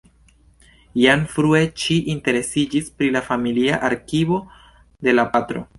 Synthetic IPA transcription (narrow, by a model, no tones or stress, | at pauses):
janfɾue̞t͡ʃiʔinte̞ɾe̞sid͡ʒispɾilafamiliaʔaɾkivo̞ | de̞lapatɾo̞̰